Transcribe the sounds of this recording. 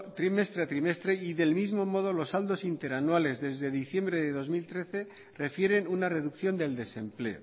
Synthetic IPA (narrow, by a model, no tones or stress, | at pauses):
t̪ɾime̞st̪ɾe̞at̪ɾime̞st̪ɾe̞iðe̞lmizmo̞mo̞ð̞o̞lo̞sald̪o̞sint̪e̞ɾanwale̞zðe̞zðe̞ðiθje̞mbɾe̞ðe̞ðo̞zmilt̪ɾe̞θe̞ | re̞fje̞ɾe̞nunare̞ðukθjo̞nd̪e̞ld̪e̞se̞mple̞̰o̰